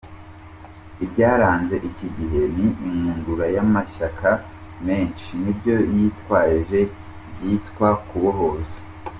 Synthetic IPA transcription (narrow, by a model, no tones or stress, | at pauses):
ibɟaːɾaːnze̞ʔiciɟihe̞niʔiŋuːŋɡuɾajamaʃaka | me̞ːnʃinibɟo̞jitwaːɾʒe̞ | bjiːtkwakuβoɦo̞ze̥